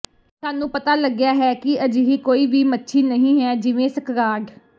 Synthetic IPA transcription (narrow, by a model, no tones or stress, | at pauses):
saːnũːpət̪aːləɡɪjaːɦɛːkɪəd͡ʒɦiːkoːiːʋiːmətːʃʰiːnəɦĩːɦɛːd͡ʒɪʋẽːsəkɾaːɖ